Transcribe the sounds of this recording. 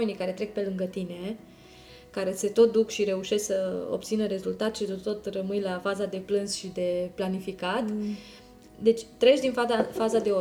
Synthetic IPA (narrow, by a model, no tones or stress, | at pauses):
e̞nijkaɾe̞t̪ɾe̞k̚pe̞lɨŋɡət̪ine̞ | kaɾe̞se̞t̪o̞t̪̚d̪ukʃiɾe̞uʃe̞sksəo̰bt̪sinəɾe̞zult̪at̪ʃisot̪o̞t̪rəmɨjlafazad̪e̞plɨnsʃid̪e̞planifikat̪ | d̪e̞t͡ʃʲt̪ɾe̞t͡ʃd̪infafazad̪e̞o